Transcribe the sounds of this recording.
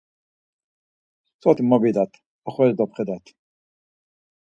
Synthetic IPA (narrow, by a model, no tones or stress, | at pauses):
t͡sɔt̪imɔbid̪at̪ʰ | aχɛzd̪ɔpχɛd̪at̪ʰ